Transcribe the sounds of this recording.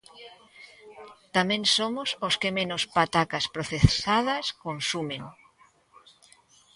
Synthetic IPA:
t̪amẽŋsomʊsoskemẽnʊspat̪akaspɾoθesaðɐskonsumẽŋ

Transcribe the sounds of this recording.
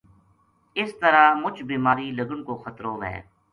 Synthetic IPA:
ɪst̪əɾaːmʊt͡ʃʰbiːmaːɾiləɡəɽkoːxət̪ɾoːʋɦɛ̰ː

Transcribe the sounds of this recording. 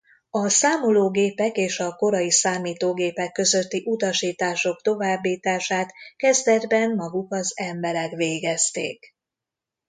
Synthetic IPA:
ɒsaːmoloːɡeːpɛkeːʃɒko̞ɾɒjisaːmiːt̪oːɡeːpɛkːø̞zø̞t̪ːiʔut̪ɒʃiːt̪aːʃo̞kt̪o̞vaːbːiːt̪aːʃaːt̪kɛzd̪ɛd̪bɛnmɒɡukɒzɛmbɛɾɛkveːɡɛst̪ḛːk

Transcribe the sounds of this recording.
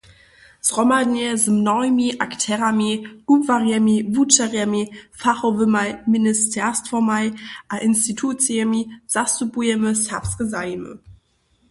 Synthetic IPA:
sʁɔmadnɛzəmnɔmiʔaktʰɛʁami̥uvaʁjɛmivut͡ʃaʁjɛmifaχovəmajministʰɛstfɔmajʔaʔɪnstitʰut͡siɛmiz̥asubujɛməsafskəzajmə̰

